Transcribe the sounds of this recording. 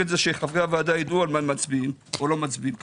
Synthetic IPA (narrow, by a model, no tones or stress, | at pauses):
etzeʃeχavʁavaad̪ajid̪ualmamat͡sbimolo̞mat͡sbim